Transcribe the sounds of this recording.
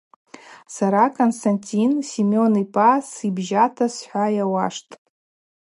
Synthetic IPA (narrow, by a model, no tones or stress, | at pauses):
saɾakʰʼonstʰanʲtʲʰʼinsimo̞nipʼasibʒatʰasħʷajawa̰ʂtʼ